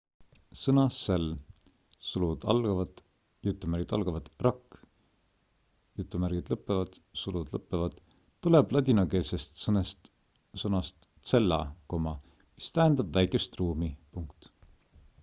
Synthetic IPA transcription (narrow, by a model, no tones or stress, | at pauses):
sɤnɑsel | sulud̪̥ɑ̰lɡ̥ɑvɑd̪̥ | jut̪ːˑumæɾɡid̪̥ɑ̰lɡ̥ɑvɑd̪̥rɑkː | jut̪ːˑumærɡ̥id̪̥lɤpːˑevɑd̪̥sulud̪̥lɤpːˑevɑd̪̥ | t̪ːuleb̥lɑd̪ʲinɑke̞ːlsest̪nest̪ | sɤnɑst̪ | se̞lːɑ̰ko̞mɑ | mist̪æend̪̥ɑb̥væjkˑest̪ruːmipuŋkt̪